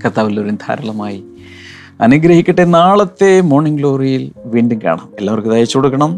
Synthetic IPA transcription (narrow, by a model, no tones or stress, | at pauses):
kɐt̪ːaːʋilːoɾund̪ʱʰa̰ːɾɐɭɐmaːji | ɐ̰nuɡɾɐhikʲːiʈːenaːɭɐt̪ːe̞mo̞ːɳiŋɡlo̞ːrijilʋiːɳɖumka̰ːɳɐ̰melːaːʋɐrkːɨðaːjɐt͡ɕuːɽukːɐɳɐm